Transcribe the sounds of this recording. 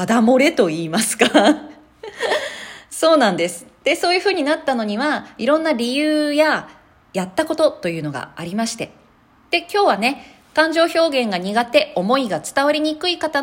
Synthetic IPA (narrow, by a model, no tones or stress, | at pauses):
ad̪amo̞ɾe̞t̪o̞iːmasɨ̥ka | so̞ːnãnd̪e̞sɨ̥d̪̥e̞so̞ːjɯ̟ɸɯ̟ːɲ̟inat̪ːano̞ɲ̟iβaiɾõ̞nːaɾʲijɯ̟ːja | jat̪ːako̞t̪o̞t̪o̞jɯ̟ːno̞ɡa̰aɾʲimaɕi̥t̪e̞ | d̪̥e̞kʲo̞ːβane̞ | kãɲ̟d͡ʑo̞ːço̞ːɡẽ̞ŋɡaɲ̟iɡat̪e̞o̞mo̞iɡat͡sɨ̥t̪aβaɾʲiɲ̟ikɯ̟ikat̪a